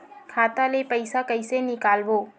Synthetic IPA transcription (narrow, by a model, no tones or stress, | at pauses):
kʰat̪alepəɪsakəɪsenɪkaːlboː